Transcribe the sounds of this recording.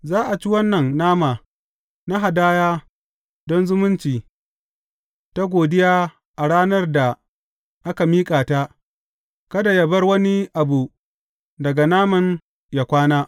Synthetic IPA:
zaː˦ʔa˨t͡ʃi˦wɐ˦nːɐ˨nːaː˦maː˨ | na˦ɦa˨daː˦jaː˦ | dɔ˦nzʊ˦mʊ˦nt͡ʃiː˨ | ta˦ɡʷoː˨dɪ˦jaː˦ | ʔa˨ɽaː˦nɐ˦rda˨ | ʔa˦ka˨miː˦kʼaː˨ta˦ | kɐ˦da˨ja˦bɐ˦rwɐ˦ni˦ʔa˨buː˨ | dɐ˨ɡa˨naː˦mɐ˨n | ja˦kʷaː˦naː˦

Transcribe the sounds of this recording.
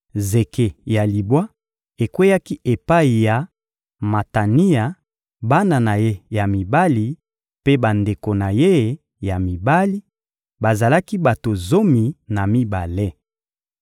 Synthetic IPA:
ze˨ke˨ja˨li˨bwa˦ | e˨kwe˦ja˦ki˦ʔe˨pa˦i˨ja˨ | ma˨ta˨ni˦a˨ | ba˦na˨na˨je˦ja˨mi˨ba˦li˨ | pe˦ba˨nde˨ko˨na˨je˦˨ | ja˨mi˨ba˦li˦ | ba˨za˨la˦ki˦ba˨to˨zo˦mi˨na˨mi˦ba˨le˦

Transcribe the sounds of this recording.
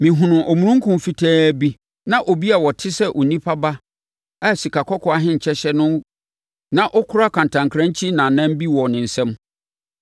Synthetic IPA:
mɪ̃˨ɦʊ̃˨nʊ̃˨ʔɔ˨mũ˨ɾũ˦ŋ˦kʰʊ̃˨m˨fi˨tʰɛː˦bi˦ | nã˦ʔɔ˨bi˦a˨wɔ˨tʰɪ˦sɛ˦ʔo˨nĩ˦pʰa˦ba˦ | a˦˨si˨kʰa˨kʰɔ˦kʰɔ˨a˦ɦɪ̃˦ɲ̩˨t͡ɕʰɛ˦ɕɛ˦nʊ̃˦ | nã˦ʔɔ˦kʰʊ˦ɾa˦kʰã˨n˨tʰã˨ŋkʰɾã˦ɲ˦t͡ɕʰi˦nã˨nã˦m˦bi˦wɔ˨nɪ̃˨n̩˨sɛ̃˦m

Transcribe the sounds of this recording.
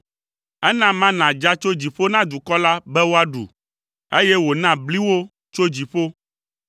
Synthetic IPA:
ɛ˦nã˦mã˦nã˨d͡ʒa˦t͡ʃo˦d͡ʑi˨ɸo˦nã˦d̪u˨kɔ˦la˦bɛ˦wo˦a˦ɖṵ˨ | e˦jɛ˦wo˨nã˦bli˦wo˦ | t͡ʃo˦d͡ʑi˨ɸo˦

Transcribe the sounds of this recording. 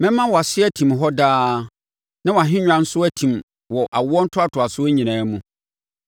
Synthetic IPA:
mɛ̃˦mːã˦wɔ˨a˨sɪ˦æ˦tʰĩ˨mɦɔ˦daː˦ | nã˦wɔ˨a˨ɦɪ̃˦ɲᶣ˦ã˨n̩˦sʊ˦æ˦tʰĩ˨m | wɔ˨ʔa˨wɔ˦n̩˦tʰʊ˦a˦tʰʊ˨a˨sʊ˦æ˦ɲĩ˨nãː˨˦mũ˨

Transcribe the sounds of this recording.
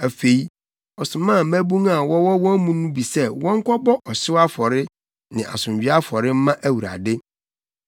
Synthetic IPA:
æ˨fe˨i˦ | ɔ˨sʊ˨mã˦˨mæ˦bũ˦ŋa˨wɔ˦wɔ˦wɔ̃˦mũ˦nũ˦bi˨sɛ˦wɔ̃˦ŋ˦kʰɔ˦bɔ˦ʔɔ˨sɪ˦wa˦fɔ˨ɾɪ˦ | nɪ̃˨ʔa̰˨sʊ̃˨ɥᶣi˦a˦fɔ˨ɾɪ˦m̩˦mã˦ʔæ˦wu˨ɾa̰˨dɪ˦

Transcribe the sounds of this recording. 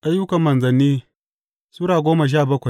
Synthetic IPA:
ʔa˦jʊ˦kɐ˨mːɐ˨nzɐ˨nːiː˦ | suː˦ɽaː˨ɡʷoː˦ma˨ʃ̬aː˦˨bɐ˦kʷa˨j

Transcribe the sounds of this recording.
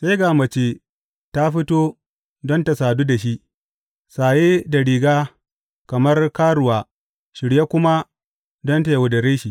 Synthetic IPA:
sa˦ɡaː˨mɐ˨t͡ʃe˨ | ta˦ɸɪ˦toː˦ | dɔ˦nta˨saː˨duː˦da˨ʃi˦ʔ | saː˨jeː˦da˨ɽiː˨ɡaː˦ | kɐ˨mɐ˦rkaː˦ɾʊ˨waː˨ | ʃɪ˨ɽje˦kʷʊ˦ma˦ | dɔ˦nta˨ja˨wʊ˨dɐ˨ɾeː˦ʃi˦˨

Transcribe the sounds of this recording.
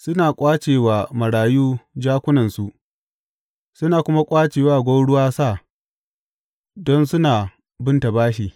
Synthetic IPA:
sʊ˦naː˨kʷʼaː˦t͡ʃeː˨waː˨mɐ˨ɽaː˨juː˦d͡ʒaː˦kʷʊ˦nɐ˨nsu˨ʔ | sʊ˦naː˨kʷʊ˦ma˦kʷʼaː˦t͡ʃeː˨waː˦˨ɡʷo˦ɽʊ˦waː˦sa˦˨ | dɔ˦nsʊ˦naː˨ | bɪ˦nta˨baː˦ʃiː˨

